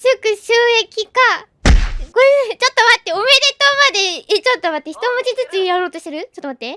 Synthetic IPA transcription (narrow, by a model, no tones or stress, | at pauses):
sɨkɯ̟ɕɨːe̞kʲika | ɡot͡ɕo̞t̪ːo̞mat̪ːe̞ome̞d̪e̞t̪o̞mad̪e̞t͡ɕo̞t̪ːomat̪ːe̞çi̥t̪o̞mot͡ɕit͡sɨt͡sɨjaɾo̞ːt̪o̞ɕit̪eɾɯ̟t͡ɕot̪ːomat̪ːe̞